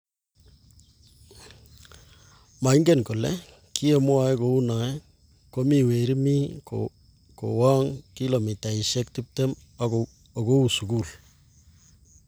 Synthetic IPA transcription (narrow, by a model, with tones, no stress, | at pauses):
ma˨i˦ŋɡe˦˨nkɔ˨lɛ̰ | kʰi˦e˨mwa˨ɛ˦ko˨u˦na˨ɛ˦ | ko˦mi˨we˨ɾi˦mi˦ | ko̰wa˦ŋki˦lo˨mi˨ta˨i˨ʃe˦k̚ti˦p̚te˦m | o˨ko˦u˨su˨ku˦l